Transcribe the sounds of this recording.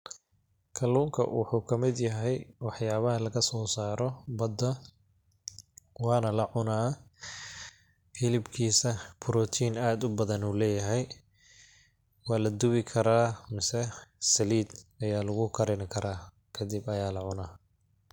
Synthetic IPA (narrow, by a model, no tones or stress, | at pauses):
kʰɐluːŋkʰɐ̰wɑ̰ħuːkʰɐmɪd̪jɐɦɛjwɑħjaːβɐɦɐlɐɣɐsɔːsaːɾɔbɐd̪ːɐ | wɑːnɐlɐʕʊnaː | fɪlɪbkʰiːsɐpʰʊɾɔːt̪ʰiːnaːd̪ʊbɐðɐnuːlɛːjɐɦɛj | wɑːlɐd̪ʊβɪkʰɐɾaːmɪsɛsɐliːd̪ɐjaːlʊɣʊkʰɐɾɪnɪkʰɐɾaː | kʰɐd̪ɪbɐjaːlɐʕʊnaː